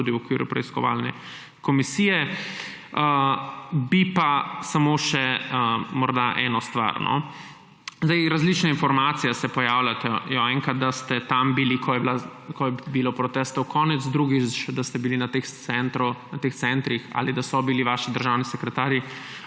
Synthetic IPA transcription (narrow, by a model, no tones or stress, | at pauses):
ud̪iwɔkʋiːɾṵpɾɛ̰iskɔ̰ʋa̰lnɛ̰ | kɔmisiːjɛ | ə | bipasamoːʃɛəmɔɾd̪aʔɛːnɔst̪ʋa̰ɾnʔɔ̰ | zd̪ɛɪjɾazlit͡ʃnainfɔɾmaːt̪sijɛsɛpɔjawlat̪ɛjɔɛŋkat̪̚d̪ast̪ɛt̪ambilikʰɔjɛblakʰɔjɛbilopɾɔt̪ɛːst̪ɔwkɔːnɛd̪zd̪ɾuɡit͡ʃd̪ast̪ɛbilinat̪exsɛnt̪ɾunat̪eːxt̪sɛnt̪ɾixa̰ːlid̪asɔbiliʋaːʃid̪əɾʒawnisɛkɾɛt̪aːɾji